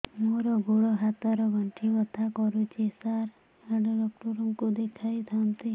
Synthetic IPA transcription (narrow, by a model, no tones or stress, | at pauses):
moɾɔɡʱoɽɔɦat̪aɾɔɡʱəɳʈʰiʋɔt̪ʰakɔɾut͡ʃʰesaɾ | aɖɔɖɔk̚ʈɔɾɔŋkud̪ekʰajt̪ʰant̪i